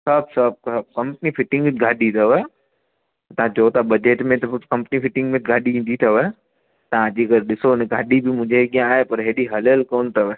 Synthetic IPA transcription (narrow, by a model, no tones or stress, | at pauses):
sɐbsɐb̚sɐb̚kɐ̃mpnifɪʈɪ̃ŋɡ̪ɡʱaːɗit̪ʰɐʋə | t̪ɐãt͡ɕoːt̪abɐd͡ʑeːʈmẽt̪ɐkɐ̃mpnifɪʈɪ̃ŋɡmẽɡʱaːɗiĩːnd̪it̪ʰɐʋə | t̪ɐʋ̤ãd͡ʑiːkɐɾeɗɪsonẽɡʱaːɗibɪmʊ̃ɦɲd͡ʑeɠijãːɦepɐɾɦeɗiɦɐləlkoːnt̪ʰɐʋ